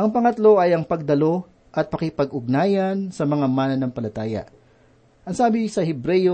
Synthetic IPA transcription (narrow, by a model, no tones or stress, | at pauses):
ʔɐŋpɐŋɐt̪lo̞ʔɐjɐŋpɐɡ̚d̪ɐlo̞ | ʔɐt̪̚pɐkɪpɐɡʔʊɡ̚naːjɐnsɐmɐŋamaːnɐnɐŋpɐlɐt̪aːjɐ̰ʔ | ʔɐŋsaːbɪsɐhɛbɾɛjo